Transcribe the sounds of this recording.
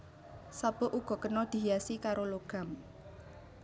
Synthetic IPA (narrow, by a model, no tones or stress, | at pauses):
sab̥ɔ̤ʔuɡ̥ɔ̤kənɔd̪̥i̤jasikaɾoloɡ̥a̤m